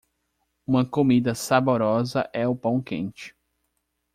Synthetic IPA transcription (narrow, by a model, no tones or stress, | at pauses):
ũmɐkomid̪ɐsaboɾɔzɐʔɛʊpɐ̃w̃kḛ̃nt͡ʃɪ̥